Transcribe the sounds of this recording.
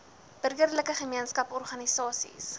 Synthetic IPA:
b̥ərɡərləkəχəmiənskɐpɔrχɐnisɑːsḭs

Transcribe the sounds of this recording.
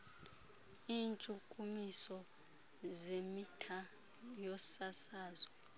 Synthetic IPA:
iːnt͡ʃʼukʼumisɔ | zemitʰa | jɔsasaːzɔ

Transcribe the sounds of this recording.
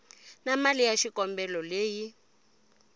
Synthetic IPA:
namalijaʃikʼɔmbɛlɔleːji

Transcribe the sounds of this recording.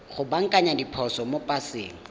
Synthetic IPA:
χʊbaŋ̩kʼaɲadipʰɔsɔmopʼasɪ̰ːŋ̩

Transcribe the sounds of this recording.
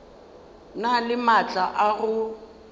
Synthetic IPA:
nalɪmat͡ɬʼaʔaɣʊ

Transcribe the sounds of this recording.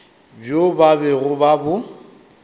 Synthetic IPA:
bjobabɛɣʊbabʊ

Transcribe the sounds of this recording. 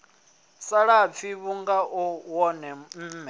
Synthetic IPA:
saɺap̪fʰiβuŋɡaʔuwɔnɛm̩ːmɛ

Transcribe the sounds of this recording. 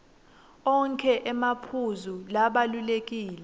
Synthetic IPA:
ɔŋkʰʼɛʔɛmapʰuzulaɓalulek̬iːlɛ

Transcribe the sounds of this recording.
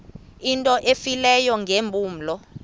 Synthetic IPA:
intʼɔʔefilɛjɔŋʱembʱʼuːm̩lɔ

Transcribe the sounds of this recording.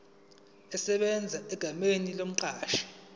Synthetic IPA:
ɛsɛɓɛnd͡zʱaɛɡ̥ʱamenilom̩ǃaːʃḁ

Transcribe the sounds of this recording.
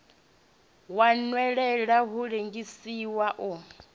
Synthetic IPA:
wanwɛɺɛɺaɦuɺeŋɡisiwaʔu

